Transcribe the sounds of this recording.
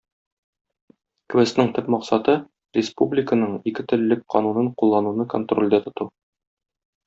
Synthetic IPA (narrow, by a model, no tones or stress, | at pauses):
kwest̪nɤɴt̪ɵpmɒqsɑt̪ɤ | rʲɪspublʲɪkənɤɴikɘt̪ɘ̆llːɘk̚qɒnunɤɴqulˠːɑnunɤkont̪rolʲd̪æt̪ŏt̪u